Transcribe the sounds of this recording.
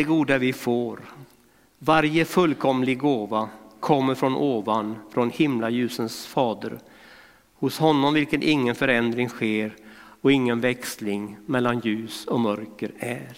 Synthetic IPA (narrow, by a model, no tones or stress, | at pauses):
ɛɡuːd̪avɪfoːɾ | vaɾjəfɵlkʰɔmːlɪɡɡoːvakʰɔmːəɾfɾɔnʔoːvanfɾɔnhɪmlajʉ̟ːsənsfɑːd̪ə̰ɾ | hʊshɔnːɔmvɪlkənʔɪŋːənfœɾɛnd̪ɾɪŋɧeːɾ | ɔɪŋːənvɛkslɪŋmɛlːanjʉ̟ːsɔmœɾkəɾæːɾ